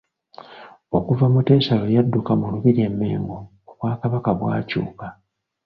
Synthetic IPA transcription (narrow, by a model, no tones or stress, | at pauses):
o̞kuvamute̞ːsalo̞jadːukamuluβiɾe̞mːe̞̰ːŋɡo | oβwaːkaβakaβwa̰ːcṵːka